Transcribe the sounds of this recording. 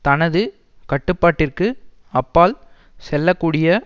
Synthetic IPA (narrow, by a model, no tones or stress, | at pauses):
t̪ɐnɐðɯ | kɐʈːɯpːaːʈːɪrkɯ | ɐpːaːl | sɛlːɐkːuːɽɪjɐ